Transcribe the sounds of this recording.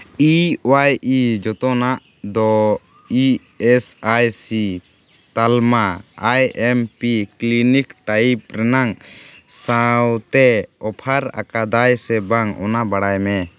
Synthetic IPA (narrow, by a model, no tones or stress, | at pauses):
iɔwajʔid͡ʒɔt̪ɔnaʔ | d̪ɔ | i | ɛsajsi | t̪almaajɛmpiklinikʈaipɾɛnaŋsawt̪ɛɔpʰaɾa̰kad̪ajsɛbaŋɔ̰nabaɽajmɛ